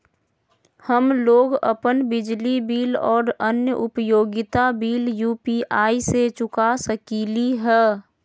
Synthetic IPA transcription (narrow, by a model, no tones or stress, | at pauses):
həmloːɡə̰pənbɪd͡ʒlibiːlɔːɾənjəʔʊpəjoːɡɪt̪abiːljuːpiʔaːiset͡ʃʊkasəkiːliɦɛː